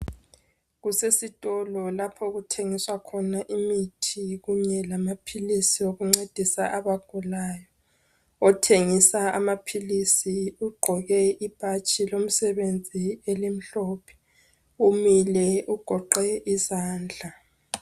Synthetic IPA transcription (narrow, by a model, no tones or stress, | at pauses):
ɣusesitʼɔlɔlapʰɔɣutʰeŋiswakʰɔnaʔimitʰiɣuɲɛlamapʰilisioɣuŋ͡ǀed̥ʱisaʔaβaɡ̥ʱulajɔ | ɔtʰeŋisaamapʰilisiuɡ͡ǃʱɔɣɛʔib̥ʱat͡ʃʼʰilom̩sɛβend͡zʱielim̩ɬɔːpʰɛ̥ | umilɛʔuɡ̥ʱɔǃɛʔizaːnd͡ɮʱa